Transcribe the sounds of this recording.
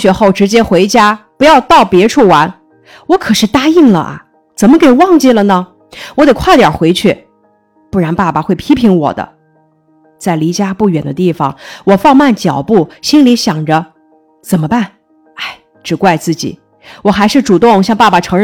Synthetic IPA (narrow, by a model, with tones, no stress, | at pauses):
ɕɥɛ˧˥xo˥˩ʊʈ͡ʂɻ̩˧˥t͡ɕjɛ˥xwe˧˥ɪt͡ɕja˥pu˧˥jɑ˥˧ʊt̪ɑ˥˩ʊpjɛ˧˥ʈ͡ʂʰu˥˩wa˧˥n | wɔ˧˥kʰɤ˨˩ʂɻ̩˥˩t̪a˥i˥˩ŋlə̰˩ʔɐ̰˧˩ | t͡sə˨˩nmə˦ke˨˩ɪwɑ˥˩ŋt͡ɕi˥˩lə˩nə˩ | wɔ˧˥d̪e˨˩kʰwa˥˩t̪jɑ̰˨˩xwe˧˥ɪt͡ɕʰy˥˩ | pu˥˩ɻa˧˥npa˥˩pa˨xwe˥˩ɪpʰi˥pʰi˧˥ŋwɔ̰˨˩d̪ə̰˦ | t͡sa˥˩ɪli˧˥t͡ɕja˥pu˥˩ɥɛ˨˩nd̪ə˦t̪i˥˩fɑ̰˩ŋwɔ˨˩fɑ˥˧ŋma˥˩nt͡ɕjɑ˨˩ʊpu˥˩ɕi˥nli˧˥ɕjɑ˨˩ŋʈ͡ʂə˦ | t͡sə˨˩mə˦pa˥˩n | a˥˩ɪ | ʈ͡ʂɻ̩˨˩kwa˥˧ɪt͡sɹ̩˥˩t͡ɕḭ˨˩˦ | wɔ˨˩xa˧˥ɪʂɻ̩˥˩ʈ͡ʂu˨˩t̪ʊ˥˩˧ŋɕjɑ˥˧ŋpa˥˩ba˨˩ʈ͡ʂʰɤ˧˥ŋɻ